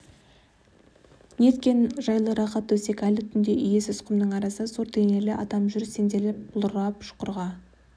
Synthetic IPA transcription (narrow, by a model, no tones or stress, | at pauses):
ne̞t̪kʲenʒɑjlˠəɾɑχɑt̪ːwɵse̞kʲælɪt̪ʰʏnd̪e̞ʔʏje̞sɪsqəmd̪əɴɑɾɑsəsoɾt̪ʰene̞lɪʔɑt̪ɑmʒʏɾse̞nd̪elɪp̚bʊlˠɾʁɑpʃʊ̥qəɾʁɑ